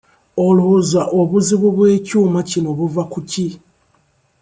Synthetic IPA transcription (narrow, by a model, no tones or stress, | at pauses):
o̞luzaʔo̞βuziβuβwe̞ːcuːmacino̞βuvakuci